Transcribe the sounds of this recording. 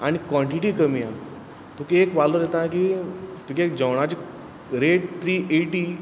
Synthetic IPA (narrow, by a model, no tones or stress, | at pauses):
a̰ɽ̃ikʋɔ̃ɳʈiʈiːkəmija | t̪ũkiekʋaloɾet̪akiːt̪ũkiek̚d͡ʑəwɽ̃at͡ɕi | ɾeɽt̪ʰɾiːʔeʈiː